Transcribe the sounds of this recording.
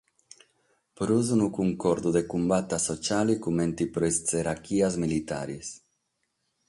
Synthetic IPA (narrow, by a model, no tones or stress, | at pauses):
pɾuzunukuŋkɔɾd̪ud̪ekumbat̪ːasot͡ʃalikument̪ipɾest͡seɾakiazmilit̪a̰ɾis